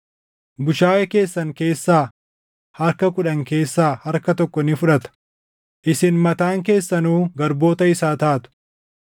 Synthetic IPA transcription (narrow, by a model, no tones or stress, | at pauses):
bʊʃaːjɛke̞ːsːɐŋke̞ːsːaː | hɐɾkɐkʊᶑɐŋke̞ːsːaːhɐɾkɐt̪ɔkːɔnɪfʊᶑɐt̪ɐ̥ | ʔɪsɪnmɐt̪aːŋk̬e̞ːsːɐnuːɡɐɾbo̞ːt̪ɐɪsaːt̪aːt̪ʊ̥